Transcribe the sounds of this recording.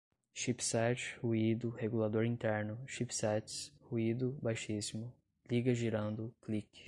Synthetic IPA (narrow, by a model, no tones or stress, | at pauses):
ʃipsɛt͡ʃhuid̪ʊheɡulad̪oɾĩnt̪ɛɾnʊʃipsɛt͡ʃshuid̪ʊbajʃisimʊ | liɡɐʒiɾɐ̃nd̪ʊklikɪ̥